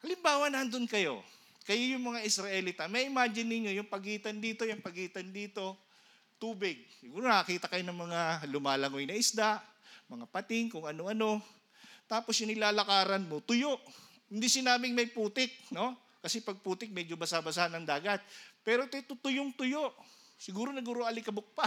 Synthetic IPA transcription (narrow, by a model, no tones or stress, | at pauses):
ʔɐlɪmbaːwɐnɐand̪ʊnkɐjo̞̰ | kɐjojʊŋmɐŋaʔɪsɾɐʔɛlit̪ɐmɐjʔɪmaːd͡ʒɪnːɪɲːo̞jʊŋpɐɡiːt̪ɐnd̪iːt̪o̞jʊŋpɐɡiːt̪ɐnd̪iːt̪o̞ | t̪uːbɪɡ̚sɪɡuːɾonɐkɐkiːt̪ɐkɐjonɐŋmɐŋalʊmaːlɐŋojnɐʔɪsd̪aʔ | mɐŋapɐt̪ɪŋkʊŋɐno̞ʔɐno̞ | t̪aːposjʊŋɪlaːlɐkaːɾɐnmo̞t̪ʊjo̞ʔ | hɪnd̪isɪnaːbɪŋmɐjpuːt̪ɪk̚no̞ | kɐsɛpɐɡ̚puːt̪ɪk̚mɛd͡ʒobɐsabɐsahɐnɐŋd̪aːɡɐt̪̚pɛːɾo̞ɪt̪ojt̪ʊt̪ʊjʊŋt̪ʊjoʔsɪɡuːɾo̞nɐɡuːɾoʔɐlɪkɐbok̚pa